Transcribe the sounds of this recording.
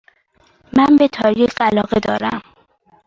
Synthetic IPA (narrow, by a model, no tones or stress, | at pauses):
mænbet̪ʰɒːɾieɢælɒːɣed̪ɒːɾæ̰m